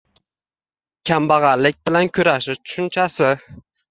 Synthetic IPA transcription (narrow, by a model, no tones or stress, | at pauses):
kʲʰambɑʁɑɾlɪk̚ʲbɪlankʲʰʊɾaʃɪʃt̪ʰʊ̥ʃʊnt͡ʃʰasɪ